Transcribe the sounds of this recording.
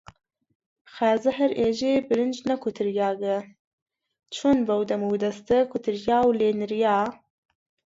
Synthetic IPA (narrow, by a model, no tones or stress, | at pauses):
xaːzɨɦɐɾʔeːʒeːbɨɾɨnd͡ʒnɐkʰʊt̪ʰɨɾjaːɡə | t͡ʃʰonvɐwd̪ɐmuwd̪ɐst̪ɨkʰʊt̪ʰɨɾjaːwleːnɨɾjaː